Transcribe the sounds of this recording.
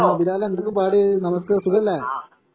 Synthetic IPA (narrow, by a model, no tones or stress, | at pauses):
biɾaːlɐend̪ɐkːupaːɽɨnɐmɐskːɨsuɣɐlːɐ